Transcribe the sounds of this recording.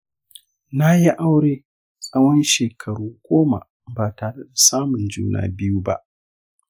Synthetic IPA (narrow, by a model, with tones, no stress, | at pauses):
na˦ji˦ʔa˦wɽeː˦ | sʼɐ˦wɔ˦nʃeː˨kʰɐ˨ɽuː˦ɡʷoː˦ma̰˨ | baː˨taː˨ɽe˦da˨saː˦mʊ˨nd͡ʒṵː˦na̰ː˦bɪ˦ju˦ba̰˦ʔ